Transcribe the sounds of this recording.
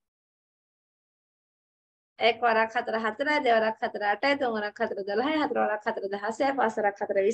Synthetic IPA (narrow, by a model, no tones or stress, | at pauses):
ekʋɐɾaːkʰɐt̪ɾəɦɐt̪ɾad̪eʋɐɾakʰːɐt̪ɾəːʈejd̪uŋʋɐɾakʰːɐt̪ɾəd̪ɐlɐɦɐjɦɐt̪ɾɐʋaɾakʰɐt̪ɾəd̪ɐɦɐseːfaːsɐɾakʰːɐt̪ɾəʋi